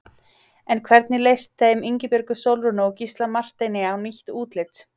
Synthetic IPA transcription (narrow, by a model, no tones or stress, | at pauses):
ɛnkʰvɛɾt̪̚nɪlejst̪θejmiɲcɪpjʏɾkʏsowlɾʏnʏɔwcist̪lamar̥t̪ejnːɪawniçt̪uːt̪lɪt̪